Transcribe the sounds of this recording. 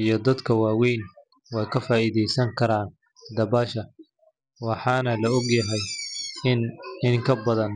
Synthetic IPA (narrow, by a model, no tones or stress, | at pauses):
ijɞd̪ɐd̪kʰɐwaːwɛjn | wɑjkʰɐfaːiːðɛjsɐŋkʰɐɾaːn | d̪ɐbaːʃɐ | wɑħɑːnɐlɐʊɡjɐɦɛjɪnɪŋkʰɐbɐðɐn